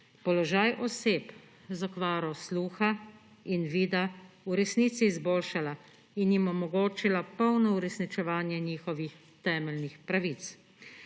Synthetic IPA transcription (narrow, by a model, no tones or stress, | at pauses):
pɔlɔʒaːjʔɔseːp | zakʋaːɾɔsluːxa | inʋiːd̪auɾɛsniːt̪siːzboːlʃala | injimɔmɔɡoːt͡ʃilapɔwnɔuɾɛsnit͡ʃɛʋaːnjɛɲiːxɔʋix | t̪ɛːmɛlnixpɾaʋit̪s